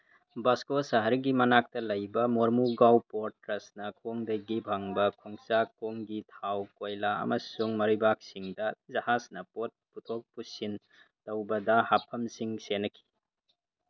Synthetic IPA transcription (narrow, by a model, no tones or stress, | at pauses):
bɐskosɐɦɐɾɡimɐnak̚tɐlɐjbɐmoɾmuɡawpoɾtɾɐsnɐkʰoŋdɐjɡibʱaŋbɐkʰoŋsakoŋɡitʰawkojlaɐ̰mɐsuŋmɐɾibak̚siŋdɐzɐhasnɐpot̚putʰok̚pusin | tɐwbɐdɐhapʰɐmsiŋsenːɐkʰi̥